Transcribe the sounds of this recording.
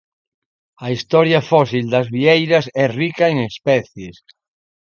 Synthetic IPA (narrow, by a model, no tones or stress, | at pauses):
ɐist̪ɔɾjafɔsild̪azβiejɾasɛrikaeŋespɛθjes